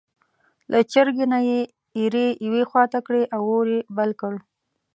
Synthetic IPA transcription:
lʔat͡ʃɪɾɡenaje | iɾejwexwɑt̪akɽeʔawoɾebalkəɽ

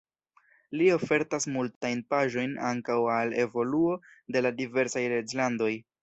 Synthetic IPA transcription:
lio̞fe̞ɾtasmultajnpaʒo̞jnaŋkawale̞vo̞luo̞ | de̞ladive̞ɾsajɾed͡ʒlando̞j

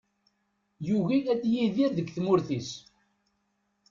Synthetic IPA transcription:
juʝiæd̪jiðiɾðəɡθmʊɾθis

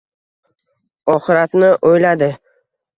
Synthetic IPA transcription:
ɒχɪɾat̪nɪʔojlad̪ɪ

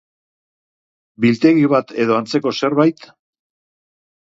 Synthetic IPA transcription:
bilt̪e̞ɣiβat̪e̞ðo̞ant͡se̞ko̞se̞ɾβajt̪

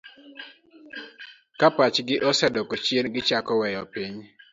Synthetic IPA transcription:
kapat͡ʃɡɪʔɔsɛdɔkot͡ʃjenɡɪt͡ʃakɔwɛjɔpiɲ

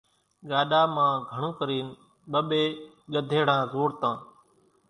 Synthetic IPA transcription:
ɠaːɗaːmãːɡʱəɳõːkəɾiːn | ɓəɓeː | ɠəd̪ʱeːɽ̤ãːzoːɾt̪ãː

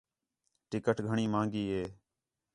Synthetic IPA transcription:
ʈɪkəʈɡʱəɳiːmãːŋɡiːɦeː

